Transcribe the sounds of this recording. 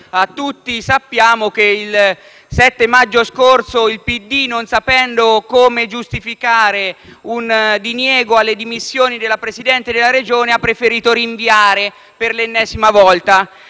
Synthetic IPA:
at̪ːut̪ːisapːjaːmokeil | sɛt̪ːemad͡ʒːoskorsoilpid̪ːinonsapɛnd̪okoːmed͡ʒust̪ifikaːɾeund̪injɛːɡoalːed̪imisːjoːnid̪elapɾesid̪ɛnt̪ed̪elːaɾed͡ʒoːneapːɾefeɾiːt̪oɾiɱviaːɾe | perlenːɛːzimavɔlt̪a

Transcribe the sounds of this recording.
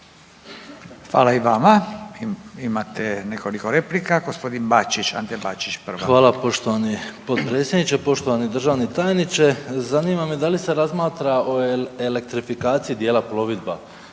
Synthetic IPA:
xʋa̰ːlaiʋama | imat̪enekolikoɾeplikaɡospo̞d̪inbat͡ʃit͡ʃa̰nt̪ebat͡ʃit͡ʃpr̩ʋaxʋaːlˠapo̞ʃt̪oʋanipo̞t̪pɾet̪sjed̪nit͡ʃepo̞ʃt̪o̞ʋanid̪r̩ʒaːʋnit̪ajenit͡ʃezaniːmamed̪alise̞ɾazmaːt̪ɾao̞ele̞k̚t̪ɾifikaːt̪sijid̪je̞ːlapɾo̞ʋid̪ba

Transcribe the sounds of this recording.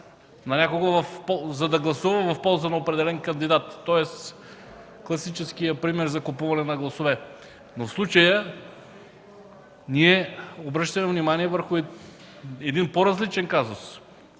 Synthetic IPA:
nɐnʲakʊɡəvɐfpɔzɐd̪ɐɡlˠɐsuvɐmɛvɐfpɔlˠzənɐopɾɛd̪ɛlɛnkɐnd̪id̪at̪ːɔɛs | klˠɐsit͡ʃɛsk̟ijəpɾimɛɾzɐkʊpuvɐnɛnɐɡlˠɐsovɛ | nofslˠut͡ʃəjə | niɛobɾɤʃt̪ɐmɛvnimaniɛvəɾxʊ | ɛd̪inpoɾɐzlit͡ʃɛnkazʊs

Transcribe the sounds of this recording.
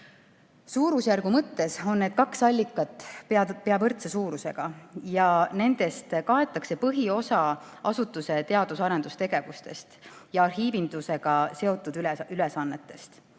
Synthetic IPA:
suːɾusjærɡumɤt̪ːe̞so̞nːe̞ːd̪̥̚kɑksɑlʲːikːˑɑt̪ːˑppeɑvɤrt̪sesuːɾuse̞̰ɡ̥ɑjɑne̞nd̪̥e̞st̪kɑe̞t̪ːˑɑkse̞pɤɦio̞sɑ | ɑsut̪ːˑuse̞t̪eɑd̪̥usɑɾe̞nd̪ust̪e̞ɡ̥e̞vust̪e̞st̪jɑɑrɦiːvind̪use̞ɡ̥ɑse̞o̞t̪ːˑud̪lylesɑnːe̞t̪ːˑe̞st̪

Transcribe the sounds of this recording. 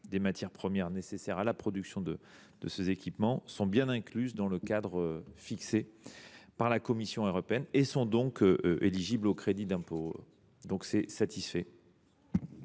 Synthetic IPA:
d̪emat̪jɛʁpχəmjɛʁnesesɛʁalapχɔd̪yksjɔ̃d̪ə | d̪̥əsezekʲipmɑ̃sɔ̃bjɛ̃nɛ̃klyzd̪ɑ̃ləkad̪ʁøfikse | paʁlakɔmisjɔ̃øʁɔpeɛnesɔ̃d̪ɔ̃køʔøʔeliʒiblokχed̪id̪ɛ̃po̰ | d̪ɔ̃ksɛsat̪ʰisfɛ

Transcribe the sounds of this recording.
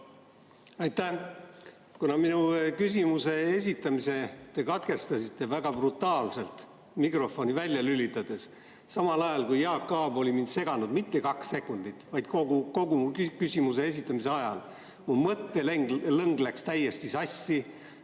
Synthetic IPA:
ɑjt̪ːæ | kunɑminukys̬ʲimuse̞e̞s̬ʲit̪ːˑɑmise̞t̪e̞kɑt̪ke̞st̪ɑsit̪ːˑe̞væɡ̥ɑb̥rut̪ːˑɑːlse̞lt̪ | mikro̞fo̞nivælʲjɑlylʲit̪ːˑɑd̪̥e̞s | sɑmɑlɑjɑlkujjɑːkːɑːbo̞lʲimind̪se̞ɡ̥ɑnud̪̥mit̪ːe̞kɑkse̞kːˑund̪̥it̪ːˑvɑjd̪̥koɡuko̞ɡuukysʲimuse̞e̞s̬ʲit̪ːˑɑmise̞ɑjɑ̰l | mumɤt̪ːe̞leŋɡlɤŋɡlækst̪æjːe̞st̪isɑsʲːi

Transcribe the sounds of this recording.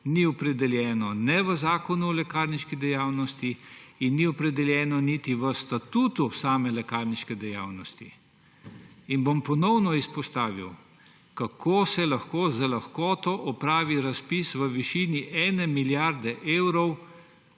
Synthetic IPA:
niɔpɾɛd̪ɛljɛːnɔnɛʋəzaːkɔnulɛkaːɾniʃkid̪ɛjaːwnɔst̪iinːiɔpɾɛd̪ɛljɛːnɔnit̪iʋəst̪at̪uːt̪usaːmɛlɛkaɾniʃkɛd̪ɛja̰ːwnɔst̪ḭ | inbompɔnɔwnɔispɔst̪aːʋḭw | kakoːsɛlaxkoːzalaxkɔːt̪ɔʔɔpɾaːʋiɾaspisʋəʋiʃiːniʔɛːnɛmiljaɾd̪ɛʔeːwɾɔw

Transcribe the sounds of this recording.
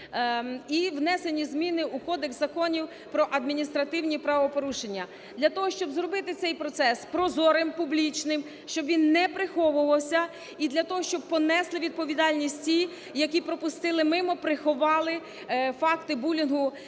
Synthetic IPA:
iwnɛsenʲizmʲinɪukɔd̪eksɐkɔnʲiw | pɾɔʔɐd̪mʲinʲist̪ɾɐt̪ɪwnʲipɾɐʋɔpɔɾuʃenʲːɐ | d̪lʲɐt̪ɔɦɔʃt͡ʃɔbzɾɔbɪt̪ɪt̪sɛjpɾɔt̪sɛspɾɔzɔɾempublʲit͡ʃnɪm | ʃt͡ʃɔbʋʲinːɛpɾɪxɔʋʊʋɐwsʲɐ | id̪lʲɐt̪ɔɦɔʃt͡ʃɔb̚pɔnɛslˠɪʋʲid̪̚pɔʋʲid̪ɑlʲnʲisʲtʲtʲi | jɐkʲipɾɔpʊst̪ɪlˠɪmɪmɔpɾɪxʊʋɑlˠɪ | fɑkt̪ɪbulʲinɦʊ

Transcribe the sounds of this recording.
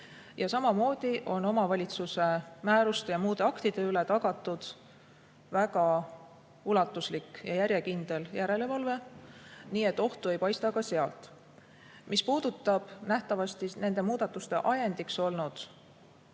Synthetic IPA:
jɑsɑmɑmo̞ːd̪̥iʔo̞no̞mɑvɑlʲit̪suse̞mæːɾust̪ejɑmuːd̪̥e̞ɑkt̪id̪̥e̞yle̞t̪ɑɡ̥ɑt̪ːˑud̪̥ | væɡɑ | ulɑt̪ːˑuslikːjɑjæɾje̞kind̪̥e̞ljæɾe̞le̞vɑlve̞niːe̞t̪ːˑo̞ht̪ue̞jpɑjst̪ɑkɑseɑlt̪ˑ | mispuːd̪̥ut̪ːˑɑb̥næht̪ɑvɑst̪ine̞nd̪e̞muːd̪ɑt̪ːˑust̪e̞̰ʔɑjend̪̥ikso̞lnud̪̥

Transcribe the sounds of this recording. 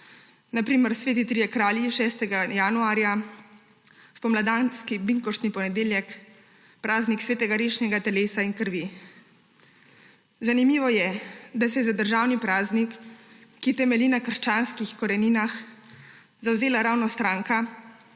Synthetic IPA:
napɾiːməɾsʋeːt̪̬it̪ɾijɛkɾaːljiʃɛːst̪ɛɡajanuaːɾja | spɔmlad̪anskibiŋkɔʃt̪nipɔnɛd̪eːljɛk | pɾaːzniksʋeːt̪ɛɡaɾeːʃnɛɡat̪ɛleːsainkəɾʋi | zanimiːʋɔjɛd̪as̬ɛjzad̪əɾʒaːwnipɾaːznikː | it̪ɛmɛliːnakərʃt͡ʃaːnskixkɔɾɛninax | zawzeːlaɾaːwnɔst̪ɾaːŋka

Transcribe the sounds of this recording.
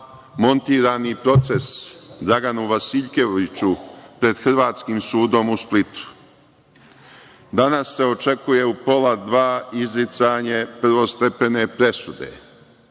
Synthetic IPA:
mo̞nt̪iːɾaːnipɾo̞t̪se̞sd̪ɾaɡanuʋasiʎke̞ʋit͡ɕupɾe̞d̪xr̩ʋaːt̪skimsuːd̪o̞musplit̪u̥ | d̪anasːe̞o̞t͡ʃe̞kuje̞upo̞lad̪ʋaːizlit̪saːɲe̞pr̩ʋo̞st̪epe̞ne̞pɾe̞sud̪ḛ

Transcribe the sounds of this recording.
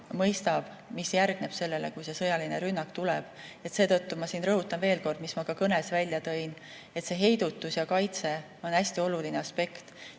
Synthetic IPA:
mɤjst̪ɑb̥ | misjærɡ̥ne̞b̥se̞lːe̞le̞̰kujse̞sɤ̞jɑline̞ɾynːɑkt̪ulɛb̥e̞t̪se̞ːt̪ɤ̞t̪ːumɑsiːnrɤɦut̪ːˑɑnve̞ːlko̞rd̪mismɑkɑkɤne̞svælʲjɑt̪ɤ̞jn | e̞t̪se̞ɦe̞jd̪̥ut̪ːˑusjɑkɑjt̪se̞ | o̞næsʲt̪io̞lulineɑspe̞kt̪

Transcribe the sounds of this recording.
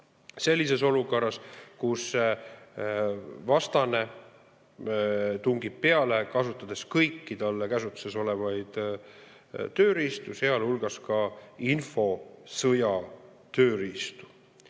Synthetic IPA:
se̞lʲːis̬e̞so̞luko̞rːɑskus | vɑst̪ɑne̞ | t̪uŋɡib̥̚peɑlekɑsut̪ːˑɑd̪̥e̞skɤjkːit̪ɑlːekæsut̪ːˑu̥se̞so̞le̞vɑjd̪̥ | t̪ø̞ːɾist̪use̞ɑlhulɡ̥ɑskɑinfo̞sɤjɑ | t̪ø̞ːɾist̪u̥

